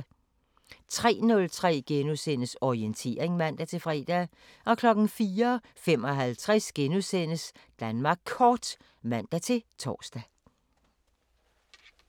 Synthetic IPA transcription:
t͡sʰʁɛ̰ːnɔ̽lt͡sʰʁɛ̰ːɡ̥enusen̰əsɒient͡sʰe̝̰ːɐeŋmæn̰d̥æt͡sʰe̝fʁɛ̰ːd̥æ | ʔɒ̽kʰlɒ̽ɡ̥n̩fiːɐ | fem̰ɒ̽ɦælt͡sʰʁɛsɡ̥enusen̰əsd̥ænmɑ̈ːɡ̥̚kʰɒːd̥ | mæn̰d̥æt͡sʰe̝t͡sʰɒ̰ːsd̥æ

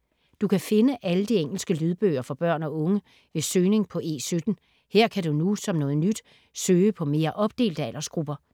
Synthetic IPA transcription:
d̥ukʰæfe̝nəʔæləd̥ieŋ̰l̩sɡ̥əlyð̞ˠb̥øːɐfɒ̽b̥ɶɐ̰nɒ̽ɔ̽ŋə | ʋe̝søːne̝ŋpʰɒ̽ʔe̝̰ːsød̥n̩ | heɐ̰kʰæɾunusɒ̽mnɔ̽ːð̩ˠnyd̥ | søːəpʰɒ̽me̝ːɐʔɒ̽b̥̚d̥e̝̰ːld̥æl̰ʔɐsɡ̥ʁub̥ɐ

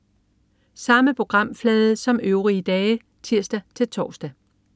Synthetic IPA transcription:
sɑ̈məpʰo̝ɡ̥ʁɑ̈m̰flɛːðˠəsɒ̽møʊʁiəd̥ɛː | t͡sʰiɐ̰sd̥æt͡sʰe̝lt͡sʰɒ̰ːsd̥æ

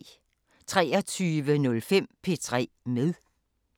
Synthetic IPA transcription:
t͡sʰʁɛ̰ːɐt͡sʰyːʋənɔ̽lfem̰pʰe̝t͡sʰʁɛ̰ːmeðˠ

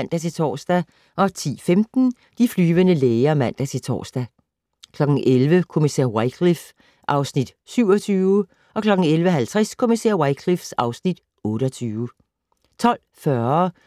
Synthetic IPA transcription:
n̰d̥æt͡sʰe̝t͡sʰɒ̰ːsd̥æ | ʔɒ̽t͡sʰḭːfemd̥n̩ | d̥iflyːʋənəleːɪɐmæn̰d̥æt͡sʰe̝t͡sʰɒ̰ːsd̥æ | kʰlɒ̽ɡ̥n̩ʔelʋəkʰo̝misɛ̰ɐwaɪkʰlif | ʔɑ̈ʊsnid̥syʊ̰ɒ̽t͡sʰyːʊə | ʔɒ̽kʰlɒ̽ɡ̥n̩elʋəɦælt͡sʰʁaskʰo̝misɛ̰ɐ̰waɪkʰlifsɑ̈ʊsnid̥ | ɔ̽ːɾəɒ̽t͡sʰyːʋə | t͡sʰɒ̽l̰fɶɐ

